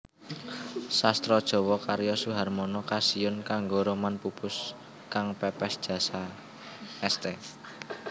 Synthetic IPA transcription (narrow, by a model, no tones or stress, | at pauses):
sast̪ɾɔd̥ʒ̥ɔ̤wɔkaɾjɔsuɦarmɔnɔkasiʊnkaŋɡoɾomanpupʊs | kaŋpɛpɛsd̥ʒ̥ä̤sa | ɛst̪e